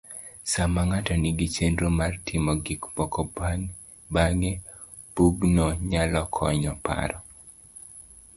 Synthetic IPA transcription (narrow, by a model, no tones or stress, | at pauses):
samaŋatɔniɡit͡ʃendɾomartʰɪmɔɡikpɔkɔ | baŋe | puɡnɔɲalɔkʰɔ̰ɲɔpa̰ɾɔ